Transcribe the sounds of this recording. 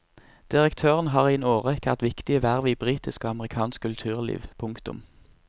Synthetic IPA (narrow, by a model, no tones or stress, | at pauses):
d̪̥ɪʁəkt̪ʰøːʁənɦɑːʁiːnoːʁɛkʋæ̰ʁt̪ʋɪkt̪ɪəʋæːʁʋiːbʁiːt̪ɪskəɑməʁɪkʰɑːnskkʰʉlt̪ʰʉːʁlḭːʋpʰʊŋkt̪ʊ̰m